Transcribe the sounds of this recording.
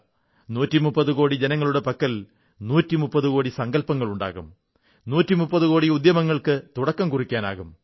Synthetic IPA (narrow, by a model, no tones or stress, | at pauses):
nuːtːimupːɐðuko̞ːɽid͡ʑenɐŋːɐɭuɽe̞pɐkːɐl | nuːtːimupːɐðukoːɽisɐŋɡɐlpɐŋːɐɭuɳɖa̰ːɣum | nuːtːimupːɐðukoːɽiud̪jɐmɐŋːɐɭkɨt̪uɽɐkːɐmkurikʲːaːna̰ːɣum